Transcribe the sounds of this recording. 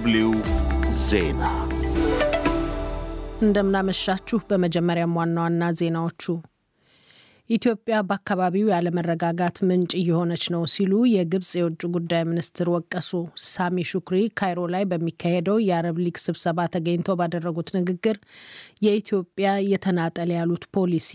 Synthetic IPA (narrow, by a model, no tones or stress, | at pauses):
bliwzḛna | ʔɨnd̪əmɨnaməʃːat͡ʃːuhbəməd͡ʒɛmːəɾjamwanːwanːaze̞nawo̞t͡ʃːu | ʔit̪ʰijo̞pʼjabəakʰːaβaβiwjaləmərːəɡaɡat̪mɨnt͡ʃʼijɪho̞nət͡ʃnəwsilujɛɡɨβsʼjɛwʊt͡ʃʼːuɡud̪ːajminist̪ʰɨɾwɔkʼːəsosamiʃukɾikʰajɾo̞lajbəmːikːahed̪əwjɛaɾəβliɡsɨβsəβat̪ʰːəɡəɲt̪ʰəwbad̪ərːəɡut̪nɨɡɨɡːɨɾjɛit̪ʰijo̞pʼjajɛt̪ʰənat̪ʼəljalut̪pʰo̞lisi̥